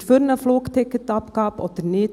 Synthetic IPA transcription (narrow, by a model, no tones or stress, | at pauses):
føɾnəfloːkt̪ʰɛkət̪ɑpkɑːpɔ̰t̪əɾneː